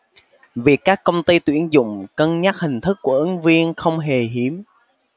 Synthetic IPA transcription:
vi˨˩əkːaː˦˥kːə˧wŋ͡mt̪i˧t̪wi˧˩ənzʊ̰˧˨ŋ͡mkə˧nɲa˦˥t̚hï˨˩ŋ̟t̪ʰɨ˦˥k̚ːu˧˩əʔɨ˨˦ŋvi˧ənxə˧wŋ͡mɦe˨˩ɦi˨˦əm

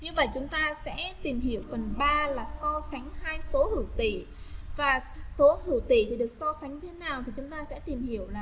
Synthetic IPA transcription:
ɲɨ˧ŋvə̰˧˨jt͡ɕʊ˨˦ŋ͡mt̪aː˧sɛ̰˧˥t̪i˨˩mhi˧˩əwfə˨˩nɓaː˧laː˨˩sɔ˧sa˨˦jŋ̟haː˧jso˨˦hɨ˧˩t̪ḭ˧˨ | vaː˨˩so˨˦hɨ̰˧˩t̪ḭ˧˩˨t̪ʰi˨˩ɗɨ˨˩ək̚sɔ˧sa˨˦ŋ̟ɲɨ˧t̪ʰe˨˦naː˨˩wt̪ʰi˨˩t͡ɕʊ˨˦ŋ͡mt̪aː˧sɛ̰˧˥t̪i˨˩mhi˧˩əwlaː˨˩

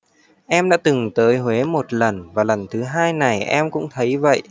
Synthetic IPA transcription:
ʔɛ˧mɗa̰ː˧˥t̪ɨ˨˩ŋt̪əː˨˦jɦwe˨˦mo˨˩t̚lə˨˩nvaː˨˩lə˨˩nt̪ʰɨ˨˦ɦaː˧jna˨˩jʔɛ˧mkʊ̰˧˥ŋ͡mt̪ʰə˨˦jvə̰˧˨jʔ

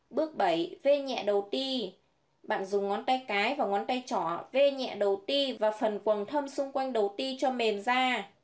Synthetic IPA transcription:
ɓɨ˦˥ək̚ɓə˧˩jve˧ɲɛ̰˧˨ɗə˨˩wt̪i˧ | ɓa̰ː˧˨nzʊ˨˩ŋ͡mŋɔ˨˦nt̪a˧jkaː˨˦jvaː˨˩ŋɔ˨˦nt̪a˧jt͡ɕɔ̰˧˨ve˧ɲɛ̰˧˨ɗə˨˩wt̪i˧vaː˨˩fə˨˩nkwə˨˩nt̪ʰə˧msʊ˧ŋ͡mkwa˧jŋ̟ɗə˨˩wt̪i˧t͡ɕɔ˧me˨˩mzaː˧

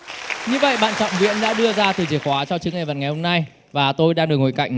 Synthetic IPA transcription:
ɲɨ˧və̰˧˨jɓa̰ː˧˨nt͡ɕɔ̰˧˨wŋ͡mvḭ˧˥ənɗa̰ː˧˥ɗɨ˧əzaː˧t̪ɨ˨˩t͡ɕi˧˩əkwaː˨˦t͡ɕɔ˧t͡ɕɨ˨˦ŋa˨˩jvə̰˧˨nŋa˨˩jho˧mna˧j | vaː˨˩t̪o˧jɗaː˧ŋɨ˨˩k̚ŋo˨˩jka̰˧˨jŋ̟

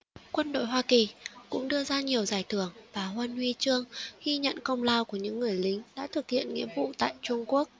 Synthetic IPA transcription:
kwə˧nɗo̰˧˨jɦwaː˧ki˨˩kʊ̰˧˥ŋ͡mɗɨ˧əzaː˧ɲi˨˩əwzaː˨˩jt̪ʰɨ˧˩əŋvaː˨˩hwə˧nwi˧t͡ɕɨ˧əŋɣi˧ɲə̰˧˨nkə˧wŋ͡mlaː˧wku˧˩əɲɨ̰˧˥ŋːɨ˨˩əjlï˨˦ŋ̟ɗa̰ː˧˥t̪ʰɨ˨˩k̚hḭ˧˨ənŋḭ˧˥əvṵ˧˨t̪a̰ː˧˨jt͡ɕʊ˧ŋ͡mku˦˥ək̚

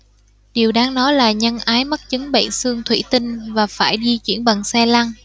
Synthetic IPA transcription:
ɗi˨˩əwɗaː˧ŋnɔ˨˦jlaː˨˩ɲə˧nʔaː˨˦jmə˦˥t̚t͡ɕɨ˨˦ŋɓḛ˧˨nsɨ˧əŋt̪ʰwḭ˧˩t̪ï˧ŋ̟vaː˨˩faː˧˩jɗi˧t͡ɕwi˧˩ənɓa˨˩ŋsɛ˧la˧ŋ

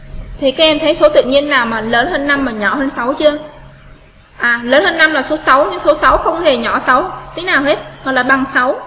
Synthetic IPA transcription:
t̪ʰi˨˩kaː˨˦˥kʔɛ˧mt̪ʰə˨˦jso˨˦t̪ɨ̰˧˨ɲi˧ənːaː˨˩wmaː˨˩ləː˨˦nhəː˧nːa˧mːaː˨˩ɲɔ̰˧˩həː˧nsa˨˦wt͡ɕɨ˧ə | ʔaː˨˩ləː˨˦nhəː˧nːa˧mlaː˨˩so˨˦sa˨˦wɲɨ˧ŋso˨˦sa˨˦wxə˧wŋ͡mhe˨˩ɲɔ˧˩sa˨˦wt̪i˨˦naː˨˩wɦe˦˥t̚ɣɔ̰˧˨laː˨˩ɓa˨˩ŋsa˨˦w

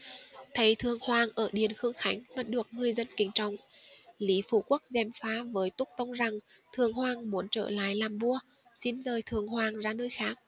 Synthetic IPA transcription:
t̪ʰə˨˦jt̪ʰɨ˨˩əŋhwaː˨˩ŋʔəː˧˩ɗi˨˩ənxɨ˨˧əŋxa˨˦jŋ̟ma˨˧˩tɗɨ˨˩ək̚ŋɨ˨˩əjzə˧nkï˨˩ŋ̟t͡ɕɔ˨˩wŋ͡mli˨˦fṵ˧˩ku˦˥ək̚zɛ˧˩mfaː˨˦vəː˨˦jt̪ʊ˦˥k͡p̚t̪ə˧wŋ͡mza˨˩ŋt̪ʰɨ˨˩əŋhwaː˧˩ŋmu˨˦ənt͡ɕə̰ː˧˩la̰ː˧˨jlaː˨˩mvu˧ə | si˧˥nzəː˨˩jt̪ʰɨ˨˩əŋhwaː˨˩ŋzaː˧nəː˧jxaː˦˥k̚

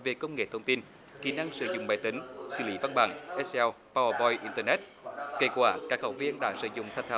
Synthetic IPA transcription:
ve˨˩kə˧wŋ͡mŋḛ˧˨t̪ʰə˧wŋ͡mt̪i˧n | xi˧˩na˧ŋsɨ̰˧˩zʊ̰˧˨ŋ͡mɓa̰ː˧˨jt̪ï˨˦ŋ̟sɨ̰˧˩lḭ˧˦va˧nɓa̰ː˧˨˩ŋʔɛ˦˥sɛ˧w | pa˧wə˧bɔ˧jʔi˧nt̪əː˧nɛ˦˥t̚ | ke˧˥kwaː˧˩kaː˦˥k̚hə˧˩wvi˧ənɗa̰ː˧˥sɨ̰˧˩zʊ̰˧˨ŋ͡mt̪ʰa˧jŋ̚t̪ʰaː˨˦

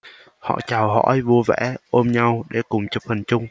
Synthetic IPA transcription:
hɔ̰˧˨t͡ɕaː˨˩wɦɔ̰˧˥jvu˧əvɛ̰˧˥ʔo˧mɲa˧wɗe˧˩kʊ˨˩ŋ͡mt͡ɕu˨˩p̚fə˨˩nt͡ɕʊ˧ŋ͡m

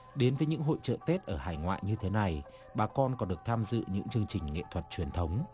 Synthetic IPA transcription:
ɗe˨˦nvəː˨˦jɲɨ̰˧˥ŋɦo̰˧˨jt͡ɕə̰ː˧˨t̪e˦˥t̚ʔəː˧˩haː˧˩jŋwa̰ː˧˨jɲɨ˧t̪ʰe˨˦na˨˩j | ɓaː˨˩kɔ˧nkɔ˨˦nɗək̚t̪ʰaː˧mzɨ̰˧˨ɲɨ̰˧˥ŋt͡ɕɨ˧əŋt͡ɕï˨˩ŋ̟ŋḛ˧˨t̪ʰwə˨˩t̚t͡ɕwi˨˩ənt̪ʰə˨˦wŋ͡m

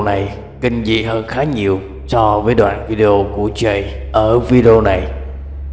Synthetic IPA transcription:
na˨˩j | kï˧ŋ̟zḭ˧˨ɦəː˧nxaː˨˦ɲi˨˩əw | sɔ˧vəː˨˦jɗwa̰ː˧˨nvi˧ɗe˧o˧ku˧˩ət͡ɕə˧˩j | ʔəː˧˩vi˧ɗe˧o˧na˨˩j

